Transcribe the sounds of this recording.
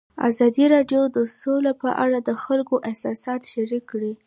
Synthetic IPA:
a̰zɑd̪iɾɑɖjod̪əsolapəʔaɽad̪əxalkoʔɪhsɑsɑt̪ʃaɾikːɽi

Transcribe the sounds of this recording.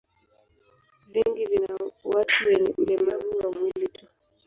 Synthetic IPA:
viŋɡivinawatʰuwɛndɛmaβuwamwilitu

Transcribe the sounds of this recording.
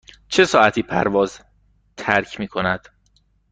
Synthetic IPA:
t͡ʃʰe̞sɒːʔæt̪ʰiːpʰæ̰ɾvɒːz | t̪ʰæɾcʰmiːkʰo̞næd̪̥

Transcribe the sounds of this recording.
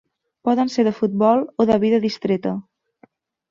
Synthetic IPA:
pɔðənseɾðəfut̪̚bɔlˠoðəβiðəðist̪ɾet̪ə

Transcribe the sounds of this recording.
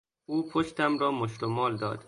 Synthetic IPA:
uːpʰoʃt̪æmɾɒːmoʃt̪omɒːld̪ɒ̰ːd̪̥

